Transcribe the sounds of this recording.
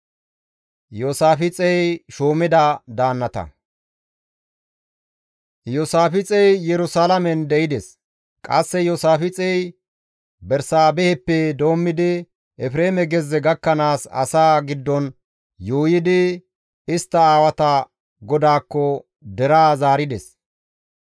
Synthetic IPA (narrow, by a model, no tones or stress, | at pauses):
joːsaːfɪt͡sʼɛjʃoːmɪd̪ad̪aːnːɐt̪ɐ̰ | joːsaːfɪt͡sʼɛjjɛɾʊsaːlɐmɛnd̪ɛɪd̪ɛs | kʼɐsːɛjoːsaːfɪt͡sʼɛj | bɛɾsaːbɛhɛpːɛd̪o̞ːmːɪd̪ɪ | ɛfɾeːmɛɡɛzːɛɡɐkːɐnaːsɐ̰saːɡɪd̪ːɔn | joːjɪd̪ɪ | ɪst̪ːɐaːwɐt̪ɐ | ɡɔd̪aːkːɔ | d̪ɛɾaːzaːɾɪd̪ɛs